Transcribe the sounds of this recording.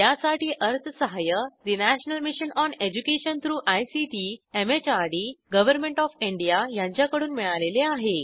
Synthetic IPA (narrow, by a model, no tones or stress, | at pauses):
jasaʈiːʔəɾt̪ʰəsəɦajəɾinæɕnəlmiɕənɔned͡ʑukeɕənt̪ʰɾuːʔajsiʈiemet͡ɕaɾɽiɡəʋəɾmẽɳʈɔfiɳɖijajãɲt͡ɕjakəɽuːnmiɭaleleaɦe